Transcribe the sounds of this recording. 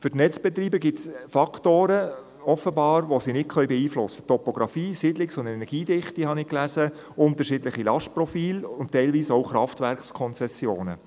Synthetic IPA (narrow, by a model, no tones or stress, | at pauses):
fʏɾtnɛt͡sb̥ɛt̪ɾiːbəɡɪtsfɑkʰtoːɾə | ɔfəbɑːɾʋosinɪt̚kʰœɥbɛiːflʊsːə̥tɔpoɡɾɑfiːsɪdlɪksʊnd̪ɛnɛɾɡ̥iːdɪχtihɑnɪklæzə | ʊnt̪əɾʃidlɪχilɑʃt̚prɔfiːlʊnttːɛɪlʋiːsoʊχɾɑftʋæɾkskʰɔnt͡sɛsjoːnə̰